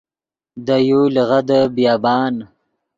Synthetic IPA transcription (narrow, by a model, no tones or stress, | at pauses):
d̪ajoləɣad̪əbjɑːbɑːn